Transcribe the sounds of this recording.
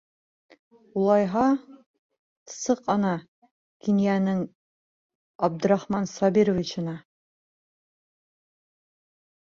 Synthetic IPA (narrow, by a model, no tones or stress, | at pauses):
ulˠɑjɦɑ | sɤqɑnɑ | kinjænɘŋ | ɑb̚d̪ɵ̆ɾɑχmɑnsɑbiɾŏvʲit͡ɕɤ̆nɑ